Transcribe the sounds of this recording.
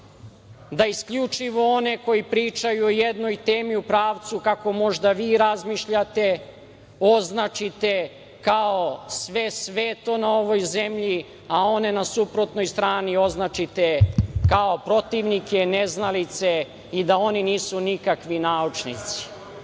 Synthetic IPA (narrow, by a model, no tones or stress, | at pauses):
d̪aiskʎut͡ʃiʋo̞o̞ne̞ko̞jipɾiːt͡ʃajuojed̪no̞jt̪eːmiupɾaːʋt̪sukako̞mo̞ʒd̪aʋiːɾazmiʃʎat̪e̞ | o̞znat͡ʃit̪e̞ | kaosʋe̞sʋe̞t̪o̞nao̞ʋo̞jzemʎi | ao̞ne̞nasupɾo̞t̪no̞jst̪ɾaːnio̞znat͡ʃit̪ekao̞pɾo̞t̪iʋnike̞neznalit̪se̞ | id̪ao̞niniːsunikakʋinaːut͡ʃnḭt̪si̥